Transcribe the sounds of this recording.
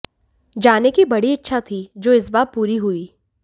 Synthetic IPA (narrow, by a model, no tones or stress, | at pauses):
d͡ʒaːnekibɐɽiɪtːʃʰat̪ʰid͡ʒoːɪsbaːp̚puːɾiɦuiː